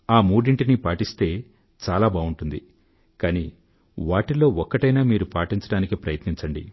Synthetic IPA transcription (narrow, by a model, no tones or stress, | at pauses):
aːmuːɽiɳʈinipaːʈist̪e̞ː | t͡ʃaːlaːbaːuɳʈund̪i | kaːni | ʋaːʈilo̞ːɔkːɐʈɐjnaːmiːɾupaːʈiɲt͡ʃɐɽaːnikipɾɐ̰jɐt̪niɲt͡ʃɐɳɖḭ